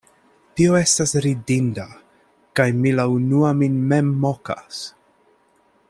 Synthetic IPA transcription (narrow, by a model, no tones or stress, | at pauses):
tio̞e̞stasɾidinda | kajmilaunuaminmemːoka̰s